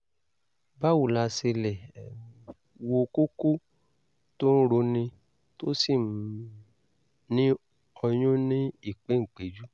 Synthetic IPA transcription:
ba˦wu˨la˧se˧lɛ˨ | wo˧ku˦ku˦ | to˦n̩˦ɾo˧nĩ˧ | to˦si˦˨m˨ | nĩ˦ | ɔ˧j̃ũ˦nĩ˦i˦˨k͡pe˨˦˨k͡pe˨d͡ʒu˦

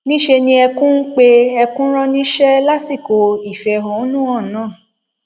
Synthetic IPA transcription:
nĩ˦ʃe˧nĩ˧ɛ˧kũ˦k͡pe˦ɛ˧kũ˦ɾ̃ã˦nĩ˦ʃɛ˦la˦si˦˨ko˨i˦˨fɛ˨ɦɔ̃˨˦nũ˦ɔ̃˦˨nãː˦˨

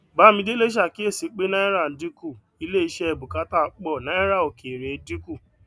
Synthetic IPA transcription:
ba˨˦mĩ˧de˦le˦ʃ̬a˦˨ki˦e˦˨si˨˦k͡pe˦nã˦ɛ˦ɾa˦˨n̩˨˦di˦ku˦˨ | i˨˧le˦˨i˧˦ʃɛ˦˧˨bu˨ka˨˦ta˦˨˦k͡pɔ˦˨nã˨˦ɛ˦ɾa˦˨o˨ke˨ɾe˨˦di˦ku˦˨

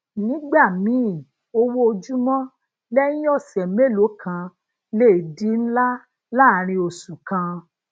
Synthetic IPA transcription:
nĩ˨˦ɡ͡ba˦˨mĩ˨˦˨ | o˧wo˦o˧d͡ʒu˦mɔ̃˦ | lɛ˦nĩ˦ɔ˦˨sɛ˨˦me˦˨lo˨˦kʰã˧ | le˦˨di˨˦n̩˦la˦ | la˦˨ɾ̃ĩ˧o˨su˨kã˧

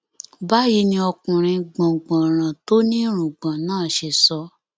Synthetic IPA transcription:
ba˦ji˧˦nĩ˧ɔ˧kũ˨ɾ̃ĩ˧ɡ͡bã˨ɡ͡bã˨ɾ̃ã˨to˦nĩ˦ɾ̃ũ˨ɡ͡bã˨nãː˦˨ʃe˧˨sɔ˧˦

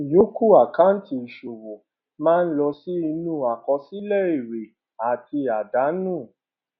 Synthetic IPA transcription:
jo˨˦ku˦˨a˨kã˦n̩˦ti˦˧i˨ʃo˨wo˨ | mãː˦n̩˦lɔ˧si˦i˧nũ˦˨a˨kɔ˧si˦lɛ˦˨i˨ɾe˨ | a˨ti˧a˨da˨˦nũ˦˨

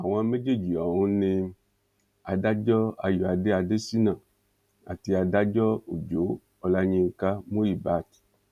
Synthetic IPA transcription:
a˨w̃ã˧mẽ˦d͡ʒe˦˨d͡ʒi˨ɔ˨wũ˨˦nĩ˧ | a˨da˦d͡ʒɔ˦a˧jɔ˨a˨de˦a˧de˦si˦nã˦˨ | a̰˨ti˧a˧da˦d͡ʒɔ˦o˨d͡ʒo˨˦ | ɔ˨la˦ɲĩ˧ŋ̩˨ka˦mũ˦ɾi˨ba˨˦˨t

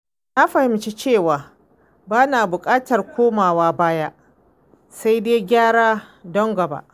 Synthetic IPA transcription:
na˦ɸɐ˨hɪ˨mt͡ʃi˦t͡ʃeː˦˨waː˨ | baː˦naː˨bʊ˨kʼaː˦tɐ˨rkʷʰoː˦maː˨waː˦baː˦ja˦ʔ | sa˦jdeː˦ɡʲaː˦ɽaː˦dɔ˦ŋɡɐ˨ba̰˦ʔ

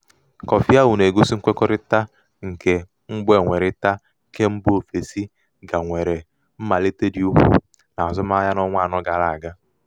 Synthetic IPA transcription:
kɔ˨fi˦a˦wʊ˨ne˨ɡu˦si˦ŋ̩˦kʷe˦kɔ˦ɾɪ˦ta˦ | ŋ̩˨ke˨ | ŋ͡m̩˦ɡ͡be˨ŋʷe˨ɾɪ˦ta˦˨ | kʰe˦m̩˦bʊ˦o˨fe˨si˦ | ɡa˨ŋʷe˨ɾe˨ | m̩˦ma˨le˦te˦di˦u˦ɦṵ˦ | na˨a˨zʊ˦ma˦ja˦nɔ˦ŋʷa˦˨nɔ˦ɡa˨la˨a˨ɡa˦

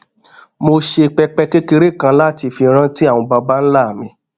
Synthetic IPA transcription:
mo˧ʃe˧k͡pɛ˧k͡pɛ˦ke˦ke˧ɾe˦˨kã˧˦la˦˨ti˧fi˧ɾ̃ã˦ti˦a˦˨w̃ɔ̃˧ba˧ba˦n̩˦la˦˨mĩ˧

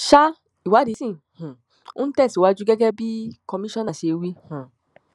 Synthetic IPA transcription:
ʃa˦ | i˨wa˨˦di˨˦sĩ˦˨ | hũ˨ | ũ˦tɛ˦˨si˨wa˨˦d͡ʒu˦ɡɛ˦ɡɛ˦bi˦kɔ˧˦mĩ˦ʃɔ̃˦nã˨si˨˧e˨˧wi˦hũ˨

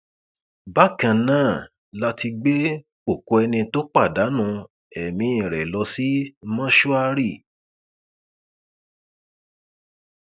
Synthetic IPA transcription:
ba˦˨kã˧nãː˦˨ | la˦tʰi˧ɡ͡be˦ | o˦˨ko˧ɛ˧nĩ˧to˦k͡pa˦˨da˨˦nũ˧ | ɛ˨mĩ˧˦ĩ˨ɾɛ˨lɔ˧si˦mã˦ʃu˦a˧ɾi˦˨

